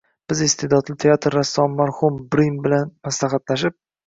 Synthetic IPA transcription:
b̥ɪzɪst̪ʰed̪ɒd̪lɪt̪ʰeat̪ʰɾːasːɒnmaɾhʊmbɾimbɪlanmaslaχat̪laʃ̬ɪp̚

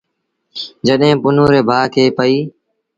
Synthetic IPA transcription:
d͡ʒəɗɦẽːpʊnõːɾeːbʱaːkʰeːpəiː

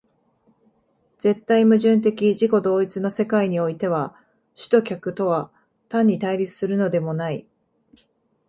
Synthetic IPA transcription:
z̥e̞t̪ːaimɯ̟ʑɨ̃nt̪̬e̞kʲiʑiko̞d̪o̞ːit͡sɨno̞se̞kaiɲ̟io̞it̪e̞β̞a | ɕɨ̥t̪o̞kʲakɯ̟t̪o̞βa | t̪ãɲ̟ːit̪aiɾʲit͡sɨ̥sɨɾɯ̟no̞d̪e̞mo̞nai

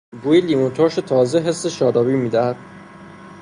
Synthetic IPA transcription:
buːjelimot̪ʰoːʃet̪ʰɒːzeɦe̞sːeʃɒːɾɒːbiːmiːd̪æhæd̪̥

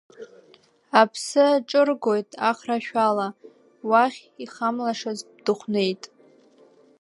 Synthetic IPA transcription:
apʰsɨaʈ͡ʂʼɨrɡo̞jtʼaχraʃᶣala | waχʲiχamlaʂazdɨχʷne̞jtʼ

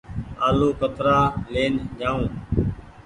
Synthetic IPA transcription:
aːluːkət̪ɾaːleːnd͡ʒaːũː

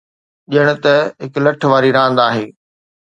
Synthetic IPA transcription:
ʄɪəɽ̃ʊ̆t̪ɐɦɪklɐʈʰʋaːɾiɾãːnd̪aːɦeː

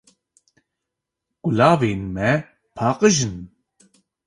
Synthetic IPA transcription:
ɡ̥ulaːveːnmɛ | pʰɑːqəʒɨn

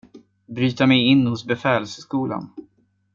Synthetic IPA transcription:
bɾyːt̪amɛjɪnːhʊsbɛfɛːlsskuːla̰n

